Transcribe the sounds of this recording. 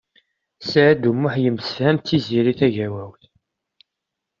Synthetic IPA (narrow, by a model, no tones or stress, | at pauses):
sʕæd̪umːʊħjəmːsəfhæmt̪ːiziɾiθæʝæwæwθ